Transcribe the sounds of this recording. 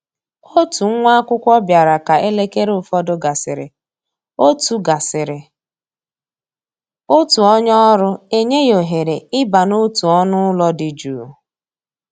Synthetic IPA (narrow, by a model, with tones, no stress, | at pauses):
o˦tu˨ŋ̩˦ŋʷa˦kʷʊ˦kʷɔ˦bja˨ɾa˨ka˨ʔe˦le˦ke˦ɾʊ˦˨fɔ˦dʊ˦ɡa˨sɪ˨ɾɪ̰˨ | o˦tu˨ɡa˨sɪ˨ɾɪ˨ | o˦tu˨ɔ˦ɲɔ˦ɾʊ˦e˦ɲe˦jo˨ɦe˨ɾe˨ɪ˦ba˨no˦tu˨ɔ˦nʊ˦lɔ˦dɪ˨d͡ʒu˨